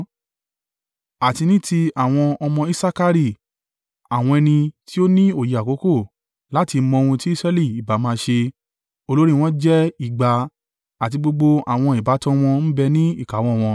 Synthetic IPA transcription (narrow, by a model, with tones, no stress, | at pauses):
a˨ti˧nĩ˦ti˧a˦˨w̃ɔ̃˧ɔ˧mɔ̃˧i˧˦sa˦ka˧ɾi˦˨ | a˨w̃ɔ̃˧ɛ˧nĩ˧ti˦o˦nĩ˦o˦˨ji˨a˨ko˨˦ko˦˨ | la˦ti˧mɔ̃˧o˧ũ˧ti˦i˦sɾɛ˦li˦˨i˨ba˨˦mãː˦ʃe˧ | o˧lo˦ɾi˦˧w̃ɔ̃˦d͡ʒɛ˦i˦˨ɡ͡ba˨ | a˨t̬i˧ɡ͡bo˧ɡ͡bo˧a˨w̃ɔ̃˧i˨ba˨˦tɔ̃˦w̃ɔ̃˧n̩˦bɛ˧nĩ˦i˦˨ka˨˦w̃ɔ̃˦˨w̃ɔ̃˧